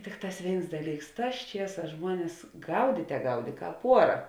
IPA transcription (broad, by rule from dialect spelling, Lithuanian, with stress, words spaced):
ˈtʲɪkˌtɑːs ˈʋʲeːɪns ˈdɑːˌlʲiːks ˈtɑːs ˈt͡ʃʲiɛˌsɑːs ˈʒmuɔnʲɛs ˈɡɐʊdʲiːtʲɛ ˈɡɐʊdʲeː ˈkɑːp ˈuɔrɐ